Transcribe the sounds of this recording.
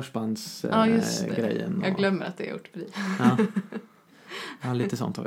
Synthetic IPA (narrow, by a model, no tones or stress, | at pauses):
œʂband̪sɑjɵsɡɾɛjːə̰nɑːɡɡlœmːəɾa̰t̪̚d̪ɛ̰ɾjʊ̰ʈːbɾiː | ɑːliːt̪əsɔ̰nt̪ʰa̰v